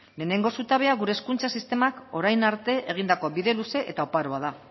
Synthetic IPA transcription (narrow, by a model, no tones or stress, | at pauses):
le̞ːne̞ŋɡo̞sut̪aβ̞e̞aɣuɾe̞ːskunt͡sasist̪e̞mako̞ɾajnaɾt̪e̞ʔe̞ɣ̞ind̪ako̞βiðe̞luse̞ʔet̪aopaɾoað̞a